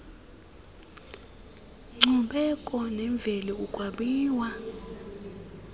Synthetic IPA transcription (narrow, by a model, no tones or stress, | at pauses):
ŋ͡ǀuɓɛkʼɔnɛɱb̪vʱɛlɛukʼwaɓiːwa